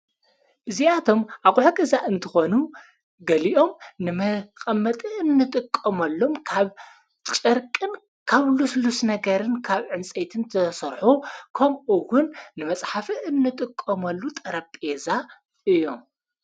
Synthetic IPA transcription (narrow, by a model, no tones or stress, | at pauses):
ʔɨziat̪ʰo̞mʔakʼuħukʼɐzaʔɨnt̪ʰɨxonu | ɡɐliʔo̞mnɨmɐqʼɐmːɐt̪ʼɨʔɨnːɨt̪ʼɨkʼːɐmɐlːomkʰaβ | t͡ʃʼɐɾkʼɨn | kʰaβluslusnɐɡɐɾɨnkʰaβʕɨnt͡sʼet̪ʰɨnt̪ʰɐsɐɾħukʰɐmʔuwʊnːɨmɐt͡sʼħafɨʔɨnːɨt̪ʼɨkʼːɐmɐlːut̪ʼɐɾɐpʼeza | ʔɨjːo̞m